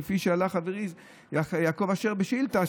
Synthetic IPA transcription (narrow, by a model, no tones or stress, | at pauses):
efiʃealaχaveʁiz | jaːko̞vaʃeʁbeʃilt̪a